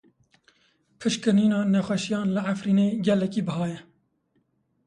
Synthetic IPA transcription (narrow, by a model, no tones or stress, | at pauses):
pʰɨʃkɨɾniːnɑːnɛxʷɛʃijɑːnlɨʕafɾiːneːɡɛlːɛkiːbɨhɑːjɛ